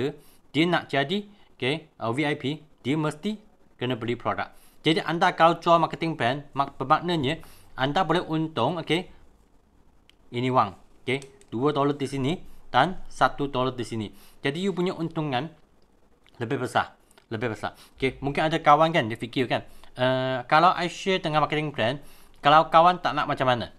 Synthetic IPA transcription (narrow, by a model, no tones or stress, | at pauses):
ə | d̥iənaʔd͡ʒadi | okeʔəwiajpid̥iəməst̪i | kənəbəlipɾoda̰k̚d͡ʒadiʔandakalawt͡ʃualmakət̪ɪŋbɾɛnmabəmak̚nəɲəʔandabolɛhʔunt̪ʊŋoke | inĩwaŋoked̥uət̪olət̪̚disinid̥ansat̪ut̪olət̪̚disinid͡ʒadijupuɲaʔunt̪uŋãn | ləbɪhbəsa̰h | ləbɪbəsa̰h | okemũŋkɪnadakawankandiəfikɪlkanəkalawʔajʃet̪əŋamakət̪ɪŋbɾɛn | kalawkawant̪aʔnaʔ̚mat͡ʃamːana